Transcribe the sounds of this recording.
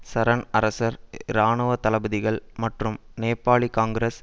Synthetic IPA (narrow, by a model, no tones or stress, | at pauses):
sɐɾɐnɐɾɐsɐɾɾaːɳɯʋɐt̪ɐlɐbɐðɪɣɐɭmɐʈrɯmneːpːaːɭikaːŋɡɾes